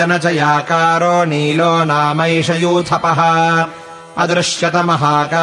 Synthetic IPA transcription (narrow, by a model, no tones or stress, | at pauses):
ɐnɐt͡ʃɐjaːkaːɾoːniːloːnaːmɐjʂɐjuːt̪ʰɐpɐɦɐ | ɐd̪ɾɪʂjɐt̪ɐmɐɦaːkaː